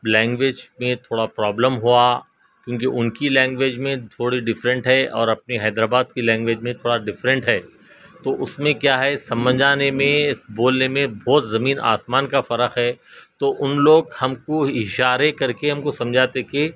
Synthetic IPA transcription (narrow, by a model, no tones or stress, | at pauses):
lɛ̃ːŋɡʋeːd͡ʒmẽt̪ʰoːɽapɾɔːbləmɦua | kjõːkeʔʊnkilɛ̃ːŋɡʋeːd͡ʒmẽt̪ʰoːɽiɖɪfɾə̃ɳʈɦɛʔɔːɾɐp̚neɦɛːd̪ɾaːbaːd̪̚kilɛ̃ːŋɡʋeːd͡ʒmẽt̪ʰoːɽaɖɪfɾə̃ɳʈɦɛː | t̪oːʔʊsmẽkjaːɦɛsɐ̃mbəd͡ʒʱaːnemẽsboːlnemẽbɔːt̪zɐmiːnʔa̰ːsmaːnkafɐɾəxɦɛːt̪oʔʊnloːɡhɐmkoɪʃaːɾekɐɾkeɦɐmkosɐ̃md͡ʒʱaːt̪eke